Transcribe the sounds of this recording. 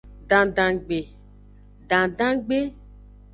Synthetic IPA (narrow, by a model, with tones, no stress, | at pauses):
ɖã˨dã˨ɡ͡be˨ | ɖã˨dã˦ɡ͡be˦